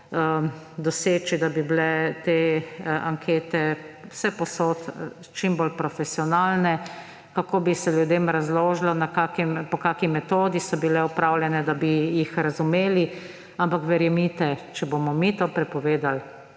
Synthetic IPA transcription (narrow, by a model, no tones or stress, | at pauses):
ə | d̪ɔseːt͡ʃid̪abiblɛt̪eaŋkʰeːt̪ɛwsɛpɔsoːt̪ | t͡ʃimboːlpɾɔfɛsiɔnaːlnɛ | kakoːbisɛljud̪eːmɾazloːʒlɔnakaːkimpɔkaːkimɛt̪oːd̪isɔbilɛɔpɾaːwljɛnɛd̪abijixɾazumeːli | ampakʋɛɾjɛmit̪ɛt͡ʃɛboːmɔmit̪oːpɾɛpɔʋeːd̪al